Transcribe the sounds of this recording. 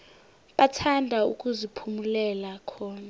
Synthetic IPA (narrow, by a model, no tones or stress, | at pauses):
ɓatʰandʱaṵkʼuzipʰumulɛlakʰɔːna